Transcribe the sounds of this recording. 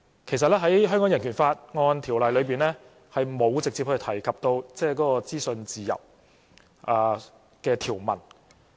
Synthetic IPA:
kʰe˨˩jsɐ˨t̚lɛː˥ɦɐ˨˥jɦœ˥ŋkɔː˨˧˥jɐ˨˩nkʰyː˨˩nfaː˧t̚ŋɔː˧nt̪ʰi˨˩wlɐ˨˩jlɵ˨˧ɥpiː˨nlɛː˥ | hɐ˨jmo˨˧wt͡sɪ˨k̚t͡siː˧hʰt̪ʰɐ˨˩jkʰɐ˨p̚t̪o˧wt͡sɛː˥kɔː˨˥kɔː˧t͡siː˥sɵ˧nt͡siː˨˩jɐ̰˨˩w | ʔaː˧ | kɛː˧t̪ʰiː˨˩wmɐ̰˨˩n

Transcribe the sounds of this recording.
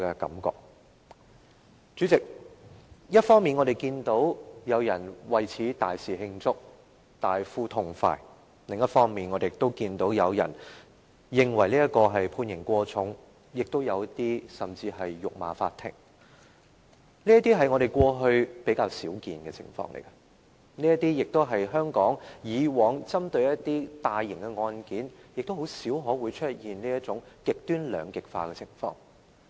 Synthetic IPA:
ɛ˧kɐ̰˨˥mkɔ̰ː˧k̚ | t͡syː˨˥t͡sɪ˨k̚ | jɐ˥t̚fɔː˥ŋmiː˨nŋɔː˨˧ɾe˨˩jkiː˧nt̪o˨˥wjɐ˨˧wjɐ˨˩nwɐ˨˩jt͡sʰiː˨˥t̪aː˨˩jsiː˨ɦɪ˧ŋt͡sʊ˥k̚ | t̪aː˨jfuː˥t̪ʰʊ˨˩ŋfa̰ː˧j | lɪ˨ŋjɐ˥t̚fɔː˥ŋmiː˨˩nŋɔː˨˧ɾe˨jɪ˨k̚t̪o˥wkiː˧nt̪o˨˥wjɐ˨˧wjɐ̰˨˩n | jɪ˨ŋwɐ˨˩jliː˥ɐ˥kɔː˧ɦɐ˨jpʰuː˧njɪ˨˩ŋkʷɔː˧t͡sʰʊ˨˥ŋ | jɪ˨k̚t̪o˥wjɐ˨˧wt̪iː˥sɐ˨˩mt͡siː˧ɦɐ˨jːʊ˨k̚ma̰ː˨˧fa̰ː˧t̪ʰɪ̰˨˩ŋ | niː˥jɐ˥t̪iː˥ɦɐ˨jŋɔ˨˧ɾe˨jkʷɔː˧ɦɵ˧ɥpe˨˥jkaː˧wsiː˨˥wkiː˨nkɛː˧t͡sʰɪ̰˨˩ŋfɔ̰ː˧ŋlḛ˨˩jkɐ˧ | niː˥jɐ˥t̪iː˥jɪ˨k̚t̪o˥wɦɐ˨jɦœː˥ŋkɔː˨˥ŋjiː˨˧wɔː˨˥ŋt͡sɐ˥mt̪ɵ˧ɥjɐ˥tt̪iː˥t̪aː˨jːɪ˨˩ŋkɛ˧ŋɔː˧nkiː˨˥njɪ˨k̚t̪o˥wɦo˨˥wsiː˨˥wɦɔː˨˥wuː˨˧jt͡ʃʰɵ˥t̚jiː˨nliː˥jɐ˥t͡sʊ˨˥ŋkɪ˨k̚t̪yː˥nlœ̰ː˨˧ŋkɪ˨k̚fa̰ː˧kɛ˧t͡sʰɪ̰˨˩ŋfɔ̰ː˧ŋ

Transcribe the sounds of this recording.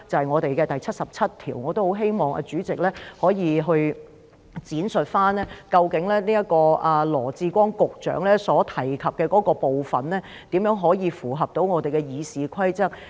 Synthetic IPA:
t͡sɐ˨hɐ˨jŋɔː˨˧t̪e˨jkɛː˧t̪ɐ˨jt͡sʰɐ˥t̚sɐ˨p̚t͡sʰɐ˥t̚t̪ʰḭː˨˩wŋɔː˨˧t̪o˥who˨˥wɦe˥jmɔː˨ŋʔɐ̰ː˧t͡ʃyː˨˥t͡sɪ˨k̚lɛː˥hɔː˨˥jiː˨˧ɦɵ˧ɥ | t͡siː˨˥nsɵ˨t̚faː˥nlɛː˥kɐ˧wkɪ˨˥ŋlɛː˥niː˥jɐ˥t̚kɔː˧ʔɐ˨lɔ̰ː˨˩t͡siː˧kʷwɔː˥ŋkʊ˨k̚t͡ʃœ̰ː˨˥ŋlɛː˥sɔː˨˥t̪ʰɐ˨˩jkʰɐ˨p̚kɛː˧kɔː˨˥kɔː˧po˨wfɐ˨nlɛː˥ | t̪iː˨˥mjœː˨˥ŋɦɔː˨˥jiː˨˧fuː˨˩ɦɐ˨p̚t̪o˨˥wŋɔː˨˧t̪e˨jkɛː˧jiː˨˧siː˨˧kʷʰɐ˥jt͡sɐ˥k̚

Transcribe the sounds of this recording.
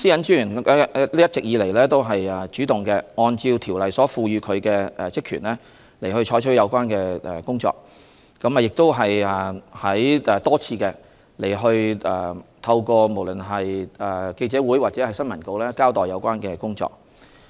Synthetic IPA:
siː˥jɐ˨˥nt͡ʃyː˥yː˨˩n˥liː˥jɐ˥t̚t͡sɪ˨k̚jiː˨˧le˨˩lɛː˥t̪o˥wɦɐ˨jɛ˨t͡ʃyː˨˥t̪ʊ˨ŋkɛ˧ŋɔː˧nt͡siː˧wt̪ʰiː˨˩wlɐ˨jsɔː˨˥fuː˧ɥyː˨˧kʰɵ˨˧ɥkɛː˧ɛ˨t͡sɪ˥kʰːyː˨˩nlɛː˥ | le˨˩hɵ˧ɥt͡ʃʰɔː˨˥jt͡ʃʰɵ˥jɐ˨˧wkʷaː˥nkɛː˧ɛ˨˩kʊ˥ŋt͡sɔ̰ː˧k̚ | kɐ˨˥mɛ˨jɪ˨k̚t̪o˥wɦɐ˨jɛ˨˩hɐ˨˥jɛ˨˩t̪ɔː˥t͡sʰiː˧kɛː˧ | le˨˩jɦɵ˧ɥɛ̰ː˨˩t̪ʰɐ˧wkɔː˧mo˨˩wlɵ˨˩nɦɐ˨jɛ˨˩ke˧jt͡sɛː˨˥wu˨˥jwaː˨t͡sɛ˨˧˥hɐ˨jsɐ˥nmɐ˨˩nko˧wlɛː˥kaː˥wt̪ɔː˨jɐ˨˧wkʷaː˥nkɛː˧kʊ˥ŋt͡sɔ̰ː˧k̚

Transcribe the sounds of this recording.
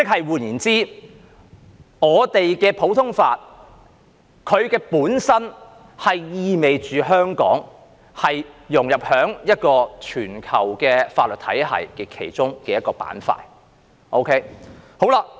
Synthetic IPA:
t͡sɪ˥k̚hɐ˨jwuː˨˩njiː˨˩nt͡siː˥ | ŋɔː˨˧t̪e˨jkɛː˧pʰo˨˥wt̪ʰʊ˥ŋfa̰ː˧t̚ | kʰɵ˨˧ɥkɛː˧puː˨˥nsɐ˥n | hɐ˨jjiː˧me˨jt͡ʃyː˨ɦœː˥ŋkɔ̰ː˨˥ŋ | hɐ˨jjʊ˨˩ŋjɐ˨p̚hœː˨˥ŋjɐ˥t̚kɔː˧t͡ʃʰyː˨˩nkʰɐ˨˩wkɛː˧faː˧t̚lɵ˨t̚t̪ʰɐ̰˨˥jhʰɐ̰˨˩jkɛ˧kʰe˨˩jt͡sʊ˥ŋkɛː˧jɐ˥t̚kɔː˧pa̰ː˨˥nfa̰ː˧t̚ | ʔo˥wkʰe˥jho˨˥wla˧

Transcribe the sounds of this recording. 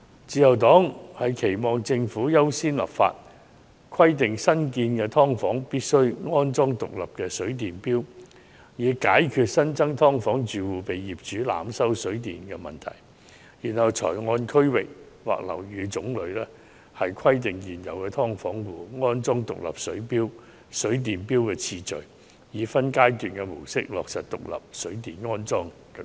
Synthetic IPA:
t͡siː˧jɐ˨˩wt̪ɔː˨˥ŋhɐ˨jkʰe˨˩jmɔː˨˩ŋt͡sɪ˧ŋfuː˨˥jɐ˥wsiː˥nlɐ̰˨˩pfa̰ː˧t̚ | kʰwɐ˥jt̪ɪ˨ŋsɐ˥nkiː˧nkɛː˧t̪ʰɔː˥ŋfɔː˨˥ŋpiː˥t̚sɵ˥ɥŋɔː˥nt͡sɔː˥ŋt̪ʊ˨k̚lɐ˨p̚kɛː˧sɵ˨˥ɥt̪̬iː˨npiː˥w | jiː˨˧kaː˨˥jkʰyː˧t̚sɐ˥nt͡sɐ˥ŋt̪ʰɔː˥ŋfɔː˨˥ŋt͡ʃyː˨wuː˨pe˨jːiː˨˩p̚t͡ʃyː˨˥la̰ː˨˧msɐ˥wsɵ˨˥ɥt̪̬iː˨nkɛ˧mɐ̰˨˩nt̪ʰɐ̰˨˩j | jiː˨˩nhɐ˨wt͡sʰɔ̰ː˨˩jŋɔː˧nkʰɵ˥ɥwɪ˨k̚ | wa̰ː˨k̚lɐ̰˨˩wjyː˨˧t͡sʊ˨˥ŋlɵ˨˧˥lɛː˥ | hɐ˨jkʷʰɐ˥jt̪ɪ˨ŋjiː˨˩njɐ˨˩wkɛː˧t̪ʰɔː˥ŋfɔː˨˥ŋwuː˨ŋɔː˥nt͡sɔː˥ŋt̪ʊ̰˨k̚lɐ̰˨p̚sɵ˨˥ɥpiː˥w | sɵ˨˥ɥt̪̬iː˨˩npiː˥wkɛː˧t͡sʰiː˧t͡ʃɵ˨ɥ | jiː˨˧fɐ˥nkaː˥jt̪yː˨˩nkɛ˧mʊ˨˩wsɪ˥k̚lɔ̰ː˨k̚sɐ˨t̚t̪ʊ̰˨k̚lɐ̰˨p̚sɵ˨˥ɥt̪iː˨nŋɔː˥nt͡sɔː˥ŋ | kɛ˧

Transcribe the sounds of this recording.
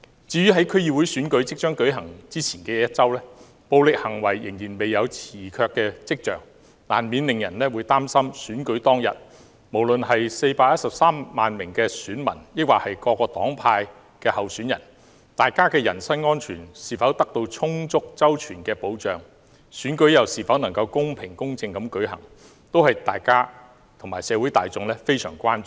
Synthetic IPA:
t͡siː˨˥ɥyː˥ɦɐ˨˥jkʰɵ˥ɥjiː˨wu˨˧˥jsyː˨˥nkɵ˨˥ɥt͡sɪ˥k̚t͡ʃœː˥ŋkɵ˨˥ɥɦɐ˨˩ŋt͡siː˥t͡sʰiː˨˩nkɛː˧jɐ˥t̚t͡sɐ˥wlɛː˥ | po˨wlɪ˨k̚hɐ˨˩ŋwɐ˨˩jːɪ˨˩ŋjiː˨˩nme˨jːɐ˨˧wt͡sʰiː˨˩kʰœː˧kːɛː˧t͡sɪ˥k̚t͡ʃœ̰ː˨ŋ | la̰ː˨˩nmiː˨˧nlɪ˨ŋjɐ˨˩nlɛː˥wuː˨˧jt̪aː˥msɐ˥msyː˨˥nkɵ˨˥ɥjt̪ɔː˥ŋjɐ̰˨t̚ | mo˨˩wlɵ˨nɦɐ˨jse˧jpaː˧k̚jɐ˥t̚sɐ˨p̚saː˥mːaː˨nmɪ˨˩ŋkɛː˧syː˨˥nmɐ̰˨˩njɪ˥k̚waː˨˩hɐ˨jkɔː˧kːɔː˧t̪ɔː˨˥ŋpʰaː˧j | kɛː˧hɐ˨wsyː˨˥njɐ̰˨˩n | t̪aː˨˩jkaː˥kɛː˧jɐ˨˩nsɐ˥nŋɔː˥nt͡ʃʰyː˨˩nsiː˨˩fɐ˨˥wt̪ɐ˥k̚t̪o˧wt͡ʃʰʊ˥ŋt͡sʊ˥k̚t͡sɐ˥wt͡ʃʰyː˨˩nkɛː˧po˨˥wt͡ʃœː˨˩ŋ | syː˨˥nkɵ˨˥ɥjɐ˨wsiː˨fɐ˨˥wnɐ˨˩ŋkɐ˧wkʊ˥ŋpʰɪ˨˩ŋkʊ˥ŋt͡sɪ˧ŋkɐ˨˥mkɵ˨˥jɦɐ̰˨˩ŋ | t̪o˥whɐ˨jt̪a̰ː˨jkaː˥ | t̪ʰʊ˨˩ŋmaː˨˩jsɛː˨˧wu˨˥jt̪aː˨jt͡sʊ˨ŋlɛ˥fe˥jsœ̰ː˨˩ŋkʷaː˥n˨

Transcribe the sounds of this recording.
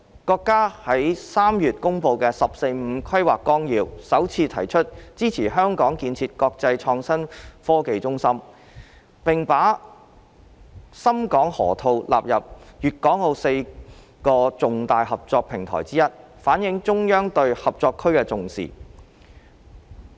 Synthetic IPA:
kɔː˧kːaː˥hɐ˨˥jsaː˥mjyː˨t̚kʊ˥ŋpo˧wkɛː˧sɐ˨p̚se˧jm̩˨˧kʰɐ˥ɥwaː˨kːɔː˥ŋjiː˨˧wsɐ˨˥wt͡sʰiː˧t̪ʰɐ˨˩jt͡ʃʰɵ˥t̚t͡siː˥t͡sʰiː˨˩ɦœː˥ŋkɔː˨˥ŋkiː˧nt͡sʰiː˧t̚kɔː˧k̚t͡sɐ˧jt͡ʃʰɔː˧ŋsɐ˥nfɔː˥ke˧jt͡sʊ˥ŋsɐ˥m | pɪ˨ŋpaː˨˥ | sɐ˥mkɔː˨˥ŋhɔ̰ː˨˩t̪ʰo˧wlʔa̰ː˨p̚jɐ˨p̚jyː˨t̚kɔː˨˥ŋlo˧wse˧j | kɔː˧t͡sʊ˨ŋt̪aː˨jhɐ˨p̚t͡sɔː˧k̚pʰɪ˨˩ŋt̪ʰɔ̰ː˨˩jt͡siː˥jɐ˥t̚ | faː˨˥njɪ˨˥ŋt͡sʊ˥ŋjœː˥ŋt̪ɵ˧ɥhɐ˨p̚t͡sɔː˧kʰɵ˥ɥkɛː˧t͡sʊ˨ŋsḭː˨˩

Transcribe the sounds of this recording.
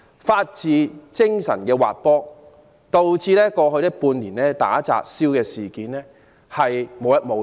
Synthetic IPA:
faː˧t̚t͡siː˨˧t͡sɪ˥ŋsɐ̰˨˩nkɛː˧wa̰ː˨t̚pɔː˥ | t̪o˨wt͡siː˧lɛː˥kɔː˧ɦɵ˧ɥt̪ɐ˥puː˧nliː˨˩nɛː˥t̪a̰ː˨˥t͡sa̰ː˨k̚siː˥wkɛː˧siː˨˩kiː˨˦nlɛː˥ | hɐ˨jmo˨˧wjɐ˥t̚mo˨˧

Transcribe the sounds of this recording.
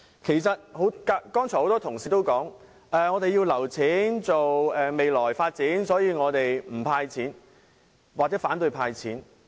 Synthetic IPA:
kʰe˨˩jsɐ˨t̚ho˨˥wka˧kɔː˥ŋt͡ʃʰɔː˨˩ho˨˥wt̪ɔː˥t̪ʰʊ˨˩ŋsiː˨t̪o˥wkɔː˨˥ŋ | ʔɛː˨˧ŋɔː˨˧t̪e˨jiː˧wlɐ˨˩wt͡sʰiː˨˥nt͡so˨wɛː˨me˨jlɔː˨˩jfaː˧t̚t͡siː˨˥nsɔː˨˥jiː˧ŋɔː˨˧t̪e˨jm̩˨˩pʰaː˧jt͡sʰiː˨˥n | waː˨˩k̚t͡sɛː˨˥faː˨˥nt̪ɵ˧jpʰaː˧jt͡sʰiː˨˥n

